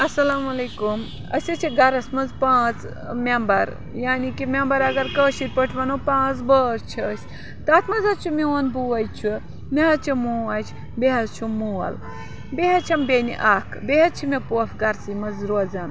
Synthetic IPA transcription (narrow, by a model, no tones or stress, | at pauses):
ɐsɐlaːmɐleːkum | ɐ̰sʲɐt͡ʃʰiɡɐɾɐsmɐzpãːt͡s | mʲembɐɾ | jaːnikimʲembɐɾɐɡɐɾkəːʃit̪̚ʲpəʈʰʋɐnopãːt͡sbəːɾt͡ʃʰiəsʲ | t̪aːt̪mɐzɐt͡ʃʰumʲionbuʋɐjt͡ʃʰu | meɦɐt͡ʃʰimuːat͡ʃʰ | beɦɐzt͡ʃʰumuːɐ̰l | beɦɐt͡ʃʰɐmbʲenḭʔaːkʰbeɦɐt͡ʃʰimepoːfɡɐɾsimɐzɾoːzɐn